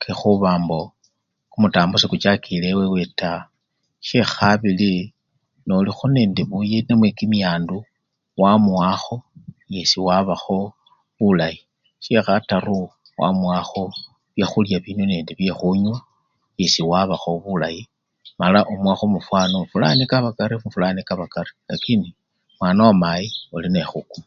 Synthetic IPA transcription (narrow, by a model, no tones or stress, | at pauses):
kexuβaːmbo̞ | kumutaːmbosikut͡ʃakilewewe̞ta | ʃe̞xaβili | nolixone̞ːndeβujenemwekimiaːndu | wamwaxo̞je̞siwaβaxo̞ | βulaji | siexataru | wa̰mwaxo̞ | βjexuljaβinweneːndeβjexuɲwa | je̞siwaβaxo̞βulaji | malaʔomwaxomufwanomufula̰nikaβakaɾiufulanikaβakaɾi̥lakini | mwaːnawamajiolinexukuma